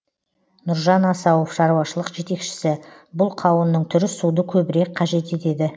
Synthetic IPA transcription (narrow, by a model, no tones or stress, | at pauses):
nʊɾʒɑnɑsɑwofʃɑɾuwɑʃəlˠəqʒe̞t̪e̞kʃɪ̥sɪ | bʊlˠqʰɑwənːəɴt̪ʰʏɾɪsud̪əkʲʰɵbɪɾe̞k̚qʰɑʒe̞t̪e̞t̪e̞d̪ɪ